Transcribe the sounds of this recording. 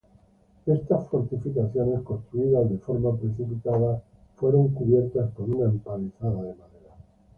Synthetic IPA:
e̞st̪asfo̞ɾt̪ifikaθjo̞ne̞sko̞nst̪ɾuiðazðe̞fo̞ɾmapɾe̞θipit̪að̞a | fwe̞ɾo̞ŋkuβje̞ɾt̪aspo̞ɾunampaliθaðaðe̞maðeɾa

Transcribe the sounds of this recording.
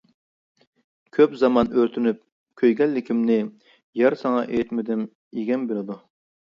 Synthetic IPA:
kʲʰøpzɑmɑnøɾt̪ʰynyp̚ | kʲʰøjɡʲɛlːɪkʲimnɪ | jɑɾsɑŋɑʔejt̪mɪd̪ym | iɡʲɛnbelɪd̪u

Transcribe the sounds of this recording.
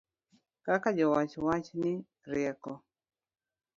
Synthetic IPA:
kakad͡ʒɔwat͡ʃwat͡ʃni | ɾjɛkɔ

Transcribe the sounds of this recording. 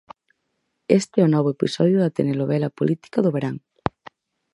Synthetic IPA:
est̪ɪɛʊnɔβ̞ʊepisɔðjʊðɐt̪eneloβɛlapolit̪i̥kɐðʊβeɾaŋ

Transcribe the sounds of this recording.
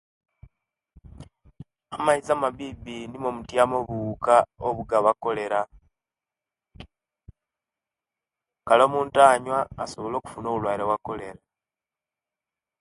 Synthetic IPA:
amaizamaβibinimomutjamoβukaoβuɡaβako̞le̞ɾa | kalo̞ːmuːntaːɲwaːso̞βolo̞ːku̥funo̞βulwaːiɾewako̞le̞ɾa

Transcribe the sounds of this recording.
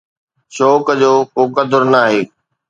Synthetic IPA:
ʃoːkd͡ʑoːkoːkɐd̪ʱʊɾnaːɦeː

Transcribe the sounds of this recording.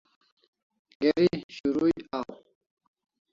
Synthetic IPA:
ɡeɾiɕuɾujaw

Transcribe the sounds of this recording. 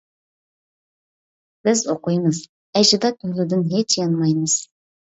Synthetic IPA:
b̥ɪzoqujmɨz̥ | æʒɪd̪ɑt̪ʰɵlɪd̪ɪnɦet͡ʃjɑnmɑjmɨz̥

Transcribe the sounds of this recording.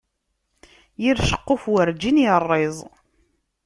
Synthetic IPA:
jiɾʃə̥qːofwəɾd͡ʒinjərˤːezˤ

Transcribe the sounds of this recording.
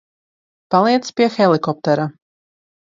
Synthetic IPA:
palˠiɛt̪spʲiɛxɛlˠikɔp̚t̪ɛɾa

